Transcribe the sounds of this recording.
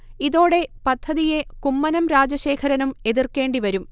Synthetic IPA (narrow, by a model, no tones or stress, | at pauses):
iðo̞ːɽe̞pɐd̪ʱːɐðije̞kumːɐnɐmɾaːd͡ʑɐɕe̞ːkʰɐɾɐnume̞ðirke̞ːɳɖiʋɐɾum